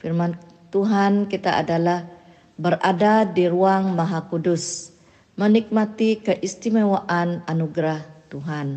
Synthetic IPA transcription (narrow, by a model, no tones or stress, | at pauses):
firman | t̪uɦankit̪aʔa̰dalah | bəɾadadiɾuaŋmaɦakudus | mənik̚mat̪ikəʔist̪imawaʔananuɡɾaht̪uɦan